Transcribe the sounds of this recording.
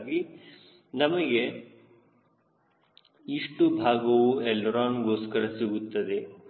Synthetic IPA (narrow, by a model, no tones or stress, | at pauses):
ɡi | nɐmɐɡe | iʂʈubʱaːɡɐwuelːɾaːnɡoːskɐɭɐsiɡut̪ːɐd̪e